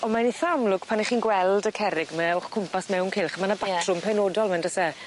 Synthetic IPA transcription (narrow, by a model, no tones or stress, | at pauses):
ɔmaniθamlʊɡ̥pʰaniχiːnɡwɛlˠdəkʰɛɾɪɡmɛʊχkʰʊmpʰasmɛwnkʰɪlˠχmanabatʰrʊmpʰɛnoːdɔlˠmandəsɛ